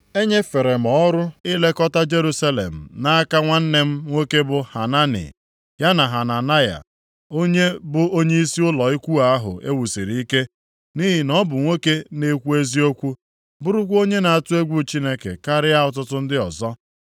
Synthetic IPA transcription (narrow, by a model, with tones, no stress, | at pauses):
e˦ɲe˦fe˨ɾe˨m̩˨ɔ˦ɾʊ˦ɪ˦le˦kɔ˦ta˦d͡ʒe˦ɾu˦sa˦lḛ˨m̩˨na˦a˦ka˦ŋʷa˦n̩˦ne˦m̩˦ŋʷe˦ke˦bʊ˨ha˨na˦nɪ̰˨ | ja˦na˨ɦa˨na˨na˦ja̰˨ | o˦ɲe˦bʊ˨o˦ɲe˦i˦si˦ʊ˦lɔ˨i˦kʷu˦a˨a˦ɦʊ̰˨ʔe˦wu˨si˨ɾi˨˦i˦ke˦ | ni˦ɦɪ˨nɔ˦bʊ˨ŋʷe˦ke˦ne˦kʷu˦e˦zi˦o˦kʷu˦ | bʊ˦ɾʊ˦kʷo˦ɲe˦na˨a˨tʊ˦e˦ɡʷu˦˨t͡ʃi˦ne˦kḛ˨ka˦ɾɪ˦a˦ʊ˨t̬ʊ˦tʊ˦n̩˦dɪ˦ɔ˨zɔ˦